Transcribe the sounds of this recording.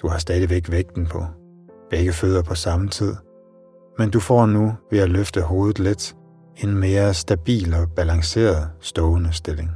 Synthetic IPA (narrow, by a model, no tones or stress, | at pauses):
d̥uhɑ̈sd̥ɛːð̞ˠiʋeɡ̥ʋeɡ̥̚d̥n̩pʰɒ̽ | b̥eɡ̥əfø̰ð̰ˠɐpʰɒ̽sɑ̈mət͡sʰið̞̰ˠ | mend̥ufɒ̰ːnuʋe̝æløfd̥əɦo̝ːð̞̩ˠle̝d̥ | e̝nme̝ːɐsd̥æb̥ḭːlɒ̽b̥ælɑ̈ŋse̝̰ːɐðˠsd̥ɔʊnəsd̥e̝le̝ŋ